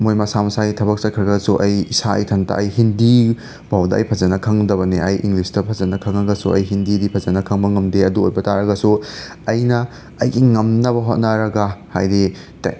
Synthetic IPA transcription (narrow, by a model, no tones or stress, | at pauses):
mojmɐsamɐsaɡitʰɐbɐk̚sɐt̚kʰɾɐɡɐsuʔɐjisaɐ̰jtʰɐntɐ̰ʔɐjhindi | b̥ʱawdɐɐ̰jpʰɐzɐnɐkʰɐŋdɐbɐneʔɐjʔiŋɡlisdɐpʰɐzɐnɐkʰɐŋɐɡɐsuɐ̰jɦindidipʰɐzɐnɐkʰɐŋbɐŋɐmdeɐduojbɐtaɾɐɡɐsu | ɐjnɐː | jɡiŋɐmnɐβɐɦot̚nɐɾɐɡɐhajɾi | ta